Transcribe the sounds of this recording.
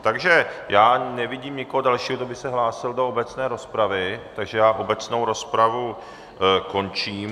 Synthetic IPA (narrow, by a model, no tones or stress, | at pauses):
t̪aɡʒɛjaːnɛvɪɟiːmɲɪkoɦodalʃiːɦod̪obɪxsɛɦlaːsɪldoobɛt͡snɛːɾo̞spɾavɪt̪aɡʒɛjaːʔo̞bɛt͡sno̞wɾo̞spɾavu | ko̞nt͡ʃiːm